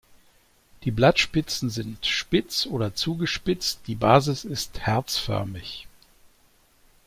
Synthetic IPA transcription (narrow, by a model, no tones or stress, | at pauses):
d̥iːblatʃpɪt͡sn̩zɪntʃpɪt͡sʔoːdɐt͡suːɡəʃpɪt͡st̚d̥iːbaːzɪsɪsthɛɐt͡sfœ̰ɐmɪç